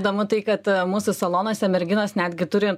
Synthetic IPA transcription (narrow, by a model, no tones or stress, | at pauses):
d̪ɐmʊt̪ɐɪkɐt̪muːsʊsɐlˠoːnoːsʲɛmʲɛɾʲɡʲɪnoːsnʲæːd̪ʲɡʲɪt̪ʊɾʲɪ